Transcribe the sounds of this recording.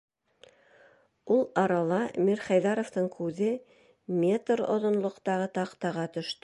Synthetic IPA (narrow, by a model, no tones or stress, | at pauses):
ulˠɑɾɑlˠɑmiɾχæjðɑɾoft̪ɤɴkʰʉðɘ | mʲet̪ɾo̰ðŏnlˠŏqt̪ɑʁɤt̪ɑqt̪ɑʁɑt̪ɵ̆ʃt̪